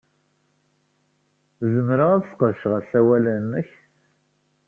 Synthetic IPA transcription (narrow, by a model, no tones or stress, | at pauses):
zəmɾəæðəsqəʃʁəsæwælænːəç